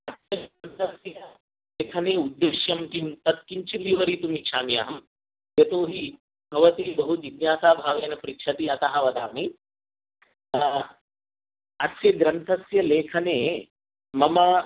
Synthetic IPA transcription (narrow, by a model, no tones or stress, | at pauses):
ɐt̪sjɐɾɐnt̪ʰɐsjɐ | leːkʰɐneːud̪ːeːʃjɐmkimt̪ɐt̪̚kiɲt͡ʃiliʋɐɾiːt̪umikʃʰaːmija̰ːɦɐm | jɐt̪oːɦi | bʱɐʋɐt̪iːbɐɦut̪ʋid̪njaːsaːbʱaːʋeːnɐpɐɾikʃʰɐt̪iɐt̪aɦaʋɐd̪aːmiː | ɐtsjɐɡɾɐnt̪ʰɐsjɐleːkʰɐneː | mɐmɐ